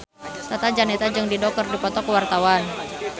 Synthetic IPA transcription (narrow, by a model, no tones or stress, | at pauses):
sat̪ad͡ʒanɛt̪ad͡ʒɨŋdidɔk̚kɔrdipɔt̪ɔkuwart̪awan